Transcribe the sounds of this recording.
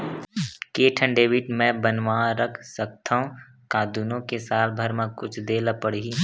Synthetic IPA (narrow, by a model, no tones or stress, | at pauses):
keːʈʰə̃ɳɖeːʋɪʈmɛ̃bənʋãːɾəkʰsək̚t̪ʰaːɦũ | kaːd̪uːnõkesaːlbʱəɾmãkʊt͡ʃʰd̪eːlapəɽii